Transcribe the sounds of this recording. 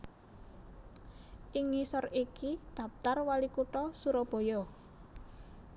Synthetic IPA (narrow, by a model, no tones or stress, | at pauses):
ʔiŋisɔrikid̪̥ä̤p̚t̪arwalikuʈɔsuɾɔb̥o̤jɔ